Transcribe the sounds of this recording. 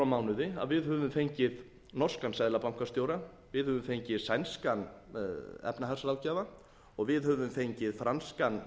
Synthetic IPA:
amaːwnʏðɪa̰ðvɪðhœvʏmfejɲcɪð | nɔrskansajðlapam̥kast̪joːwɾa | vɪðhœvʏmfejɲcɪðsajnskan | ɛ̰pnaɦaɾ̥slaːwcaːva | ɔɣvɪðhœvʏmfejɲcɪðfɾanskan

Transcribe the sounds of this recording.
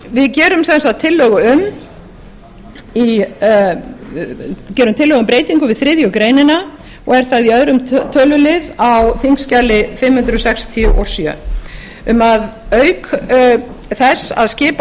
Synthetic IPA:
vɪðcɛːɾʏmsɛnsat̪ʰːɪlːœɣʏʏm | i | cɛːɾʏmt̪ʰɪlœɣʏmpɾeːjt̪iŋkʏvɪðθɾɪðjʏkɾeːjnɪna | ɔɣɛɾ̥θaðiœðɾʏmt̪ʰœːlʏlɪðawθiŋkscalɪfɪmhʏnt̪ɾʏsɛkst̪ʰiʏʔɔ̰sjœ̰ | ʏmaðœɥk | θɛsa̰ðscɪːp

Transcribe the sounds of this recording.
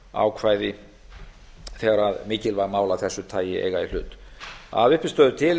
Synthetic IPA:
a̰ːwkʰvaːjðɪ | θɛːɣaɾaðmɪːcɪlvaɾmaːwlaθɛsːʏt̪ʰaːjɪḛjɣail̥ʏ̰ːt̪a̰ðʏhpɪst̪œːðʏt̪ʰɪl

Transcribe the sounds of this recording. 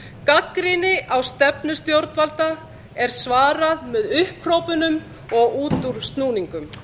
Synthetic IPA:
kakɾɪnɪʔawst̪ɛpnʏst̪jowɾt̪nvalt̪a | ɛɾ̥svaːɾaðmɛðʏhpr̥oːwpʏnʏm | ɔɣuːt̪uɾ̥st̪nuːniŋkʏm

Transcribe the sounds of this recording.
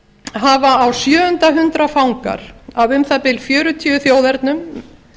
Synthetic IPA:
ɦavaːwsjœːʏnt̪aɦʏnt̪ɾafawŋka̰ɾ̥avʏmθapɪlfjœːɾʏt̪ʰiːʏθjoːwðɛɾt̪nʏm

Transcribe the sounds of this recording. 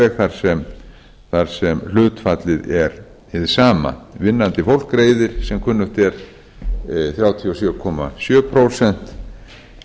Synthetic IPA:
ɛɣθaɾ̥sɛm | θaɾ̥sɛml̥ʏːt̪fat̪lɪðɛɾ | ɪðɪ̥saːma̰vɪnːant̪ɪfowl̥kɾeːjðɪɾ̥sɛmkʰʏnːʏht̪ɛɾ̥ | θɾjaːwt̪ʰiɔsjœːkʰɔma̰sjœːpʰɾowsɛn̥t̪

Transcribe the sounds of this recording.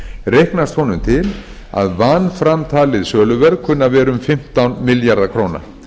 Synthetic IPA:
rejhknast̪hɔnʏmt̪ʰɪl | a̰ðvanːfɾamt̪ʰaːlɪðsœːlʏvɛɾkʰʏnːavɛːɾʏmfɪm̥t̪awnmɪljaɾðakʰɾoːwna̰

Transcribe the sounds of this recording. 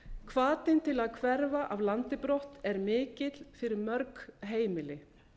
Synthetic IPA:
kʰvaːt̪ɪnt̪ʰɪlaðkʰvɛɾvaʔavlant̪ɪpɾɔht̪ɛɾmɪːcɪt̪l̥fɪɾɪɾmœɾkɦeːjmɪlɪ

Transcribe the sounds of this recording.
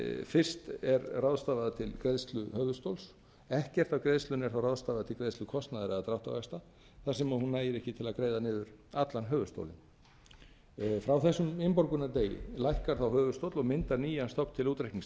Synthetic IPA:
fɪr̥st̪ɛɾrawðst̪aːvaðat̪ʰɪlkɾeðst̪lʏhœːvʏst̪owls | ɛhcɛr̥t̪avkɾeðst̪lʏnɛ̥θawraðst̪aːvaðt̪ʰɪlkɾejðst̪lʏkʰɔst̪naðɪɾaðat̪ɾawht̪a̰ɣajst̪a | θasɛmaðhunːaːjɪɾɛhcɪt̪ʰɪlaðkɾeːjðanɪːðʏɾat̪lanɦœːvʏst̪o̰wlɪ̰n | fɾawθɛsːʏmɪmpɔɾkʏnat̪eːjɪ̰lajhkaɾ̥θawhœːvʏst̪owt̪lɔɣmɪnt̪aɾniːjanst̪ʰɔp̪t̪ʰɪluːt̪ɾehkniŋs

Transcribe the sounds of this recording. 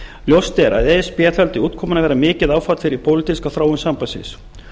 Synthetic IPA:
ljowst̪ɛɾa̰ðɛspjɛt̪alt̪ɪuːt̪̚kʰɔːmanavɛːɾamɪːcɪðaːwfat̪fɪɾɪɾpʰowlɪt̪iskawθɾaːwʏnsampajsɪ̰s

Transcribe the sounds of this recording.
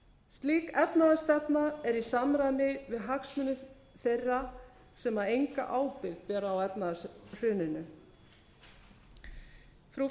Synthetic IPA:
st̪liːkɛpnaðast̪ɛpnaɛɾisamɾajnɪvɪðɦaksmʏnʏ | θejrːa | sɛmaejŋka̰ʔaːwpɪɾt̪vɛɾaːwɛpnaðasr̥ʏːnɪnʏ | fɾu

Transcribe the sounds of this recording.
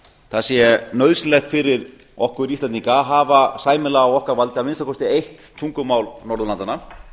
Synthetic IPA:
θaðsjɛɛnœðslɛxt̪fɪɾɪɾ | ɔhkʏɾisaniŋkaɦaːvasaːjmɪlaːwɔhkaɾvalt̪ɪavɪnst̪akʰɔst̪ɪejht̪ʰːuŋkʏmawlnɔɾðʏlant̪ana

